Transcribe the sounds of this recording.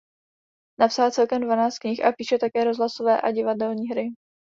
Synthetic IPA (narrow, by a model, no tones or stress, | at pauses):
napsalt͡sɛlkɛmdvanaːst̪̚kɲɪxʔapiːʃɛt̪akɛːɾozɦlasovɛːʔaɟɪvadɛlɲiːɦɾɪ